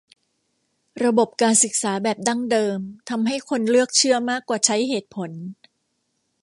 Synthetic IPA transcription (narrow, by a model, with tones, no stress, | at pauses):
ɾa˧bo˨˩p̚kaː˧nsɯ˨˩k̚saː˩˦bɛː˨˩p̚da˥˩ŋdɤː˧mt̪ʰa˧mɦa˥˩jkʰo˧nlɯ˥˩ək̚t͡ɕʰɯ˥˩ɐmaː˥˩kːwaː˨˩t͡ɕʰa˦˥jɦeː˨˩t̪̚pʰo˩˦n